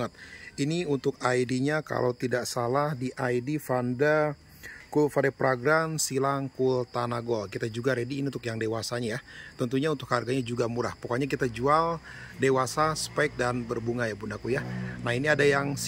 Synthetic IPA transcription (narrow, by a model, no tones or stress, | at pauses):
ət̪̚iniunt̪ʊk̚ajdiɲaka̰lʔawt̪idaʔsalahdiʔaidifanda | kulfadepɾoɡɾansilaŋkult̪anaɡɔlkit̪ad͡ʒuɡaɾediːnint̪ʊkjaŋdewasaɲajat̪ənt̪uɲaunt̪ʊkharɡaɲad͡ʒuɡamuɾahpəkaɲak̬it̪ad͡ʒual | dewasasə̥paɪk̚danbərbuŋajapunakujanahiniadajaŋs